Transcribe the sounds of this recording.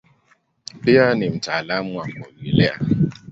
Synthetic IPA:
pɪanɪm̩talam̩ŋʷam̩kowilea̰

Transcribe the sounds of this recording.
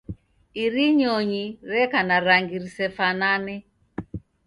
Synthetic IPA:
iɾiɲɔɲiɾɛkanaɾaŋɡiɾisɛfananɛ

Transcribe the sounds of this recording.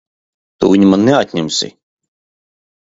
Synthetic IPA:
t̪ṵviɲimanːeat̪ʲɲʲɛmsḭ

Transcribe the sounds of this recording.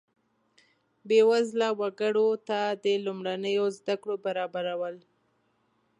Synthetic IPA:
bewazlawaɡəɽot̪ad̪əlumɽanəjozd̪akɽobaɾɑbaɾawəl

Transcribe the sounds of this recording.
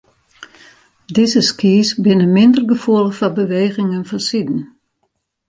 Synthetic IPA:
dɪzəskiːsbɪnəmɪndərɡəfuəlˠəfabəʋeːɣɪŋənfɔnsidn̩

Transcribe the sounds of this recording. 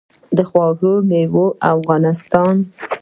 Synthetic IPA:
d̪əxwɑɡomewoʔafɣɑnɪst̪ɑn

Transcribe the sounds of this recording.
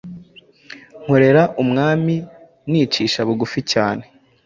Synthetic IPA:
ŋ̥huɾe̞ɾaʔumŋaːmi | niːt͡ʃiːʃaβuɡuficaːne̞

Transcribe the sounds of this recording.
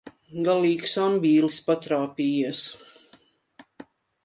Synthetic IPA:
ɡalˠiːksambʲiːlispat̪ɾaːpʲiːjɛs

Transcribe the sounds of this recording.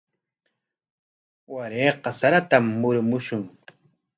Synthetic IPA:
waɾeːqɑsaɾat̪amːʊɾmʊʃʊŋ

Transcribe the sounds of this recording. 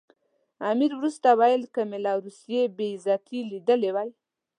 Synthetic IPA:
amiɾwɾust̪awajəlkəmɪlɑɾusjebezɑt̪ʰilid̪əlewaj

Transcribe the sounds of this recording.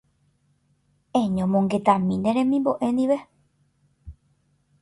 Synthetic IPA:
ẽɲõmõŋɡe̞t̪ãmĩnd̪eɾẽmĩmboʔẽ̞nd̪iʋe

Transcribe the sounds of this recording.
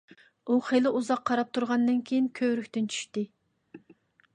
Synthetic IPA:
uχelɪʔuzɑqʰːɑɾɑp̚t̪ʰuɾʁɑnːɨnkʲʰejinkʲʰøɾykʲt̪ɪnt͡ʃʰy̥ʃt̪ɪ

